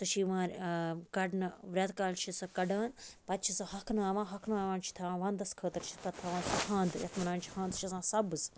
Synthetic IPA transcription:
t̪ɐʃiːʋãːɾʲkɐɖnɨʋɾʲɐt̪kaːnt͡ʃʰisɐkɐɖaːnpɐt̪t͡ʃʰisɐhɐkʰnaːʋãːɦɐkʰnaːʋãːnt͡ʃʰi̥t̪ʰɐʋãːʋãːnd̪ɐskʰəːt̪ɐɾt͡ʃʰi̥t̪ɐt̪ʰɐʋãːnsɐhãːnd̪jɐ̰t̪ʰmɐnaːnt͡ʃʰi̥hãːnd̪ʃʰisãːsɐbɨz

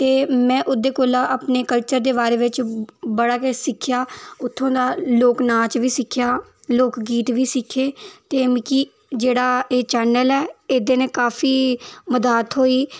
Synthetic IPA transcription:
t̪eːmɛ̃ːʔʊd̪eːkoːlaːʔaːpneːkəlt͡ʃəɾd̪eːbaːɾeːʋɪt͡ʃbəɽaːkesɪkʰjaːʊt̪ʰːõːd̪aːloːknaːt͡ʃʋiːsɪkʰːɪjaː | loːkɡiːt̪ʋiːsɪkʰːeːt̪eːmki | d͡ʒeːɽaːeːt͡ʃɛːnəlɛːeːd̪eːnẽːkaːfʰiːməd̪aːt̪ɦoːiː

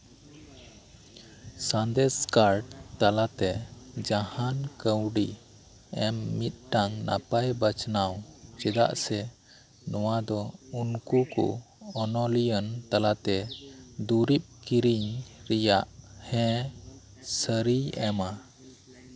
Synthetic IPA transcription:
sand̪ɛskaɾʈt̪alat̪ɛd͡ʒahankəwɖi | ɛmːit̪̚ˀʈaŋna̰pajbət͡ʃnawt͡ʃɛd̪a̰ʔsɛ | nɔwad̪ɔunkukṵ | ɔnɔlijənt̪alat̪ɛd̪uɾip̚kiɾiɲɾɛjaʔhɛ̃ | səɾiɛma

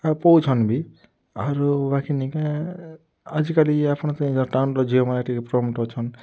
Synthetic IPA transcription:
apɔwt͡ʃʰɔnbi | aɾubakʰinika | ad͡ʒikaliapʰɽ̃ɔ̃t̪aĩd͡ʒɔʈawnʈɔd͡ʒʱiɔmalaʈikpɾɔmʈɔt͡ʃʰɔn

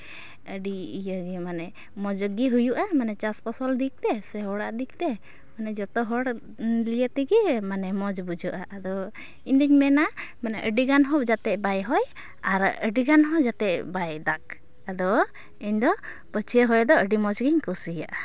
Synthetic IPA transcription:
əɖiijəɡimanɛ | mɔd͡ʒɔɡiɦujuʔamanɛt͡ʃaspɔsɔld̪ik̚t̪ɛsɛɦɔɽaʔd̪ik̚t̪ɛ | manɛd͡ʒɔt̪ɔɦɔɽ | lijət̪ɛɡimanɛmɔd͡ʒbud͡ʒuʔaʔːd̪ɔ | iɲd̪iɲmɛnamanɛʔəɖiɡanɦɔd͡ʒat̪ɛʔbajɦɔj | aɾəɖiɡanɦɔd͡ʒat̪ɛʔbajd̪ak̚ | ad̪ɔ | iɲd̪ɔ | pət͡ʃʰɛɦɔjd̪ɔəɖimɔd͡ʒɔɡiɲkɔsija̰ʔa

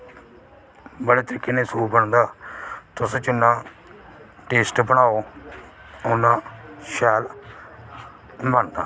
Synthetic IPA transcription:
bəɽeːt̪əɾiːkːeːnẽːsuːbəɳd̪aːt̪ʊst͡ʃʊnːãː | ʈeːsʈbəɽaːoː | ʊnãːʃɛːl | bəɳd̪a̰ː

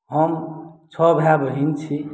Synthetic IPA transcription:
ɦʌmt͡sʰʌbʱjabʱʌɦint͡sʰi

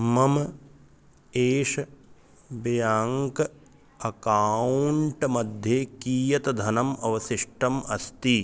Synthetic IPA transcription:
mɐm | eːʂ | bjaːŋk | ɐkaːuɳʈmɐd̪ʱjeːkiːjɐt̪ɐd̪ʱɐnɐmɐʋɐsiʂʈɐmɐst̪i

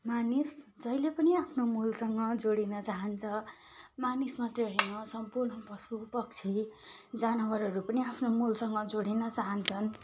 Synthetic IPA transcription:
manisd͡zʌjlepʌniapʰnomulsʌŋɡʌd͡zoɽinʌt͡saɦʌnt͡sʰʌ | manismat̪eɦenõsʌmpurnʌpʌsupʌk̚t͡sʰid͡zanʌwʌɾʌɾupʌniapʰnomulsʌŋɡʌd͡zoɽinʌt͡saɦʌnt͡sʰʌn

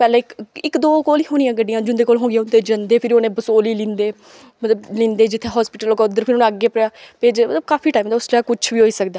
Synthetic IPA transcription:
pɛːlẽːɪkɪkd̪oːkoːliːɦoːñɪjãːɡəɖijãːd͡ʒʊnd̪eːkoːlɦõːɡɪjãːʊnd̪eːd͡ʒənd̪eːpʰɪɾioːnẽːbəsoːliːlĩːnd̪eː | mət̪ləblĩːnd̪eːd͡ʒɪt̪ʰːeːɦɔːspɪʈəloːɡaʊd̪əɾpʰɪɾoːñːəɡeːpəɾjaːpeːd͡ʒmət̪ləb̚kaːpʰiːʈaːimd̪aʊslaːkʊt͡ʃʰʋiːɦoːiːsəkd̪aː

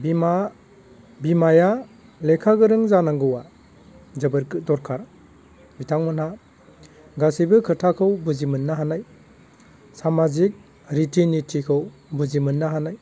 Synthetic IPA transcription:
bia | bimaja | lekʰaɡɯɾɯŋzanaŋɡɯwa | zɯbɯɾdɔɾkʰaɾ | bitʰaŋmɯnha | ɡasibɯkʰɯtʰakʰɯwbɯzimɯnːaɦanaj | samazik̚ | ɾitʰinitʰikʰɯw | buzimɯnːaɦanaj

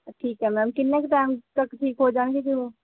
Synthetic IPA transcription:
ʈʰiːkɦɛmɛ̃mkɪnːekeʈ̪amt̪əkʈʰiːkɦod͡ʒaːnɡekiɦo

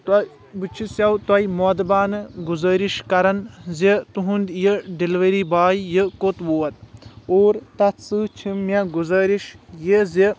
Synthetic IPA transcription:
t̪ɐ | bɨt͡ʃʰisjɐwt̪ɐjmod̪baːnɨɡuzɐːɾiʃkɐɾɐnzʲet̪uɦund̪jeɖilʋeɾiːbaːjjəkot̪ʋoːɐt̪̚oːɾt̪ɐt̪sɨt͡ʃʰimʲeɡuzɐːɾiʃjeze

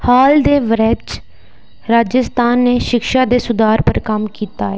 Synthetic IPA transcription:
haːld̪eːʋəɾɛd͡ʒ | ɾaːd͡ʒəst̪aːnːeːʃɪkʃaːd̪eːsʊd̪aːɾpəɾkəmkiːt̪aːɛː

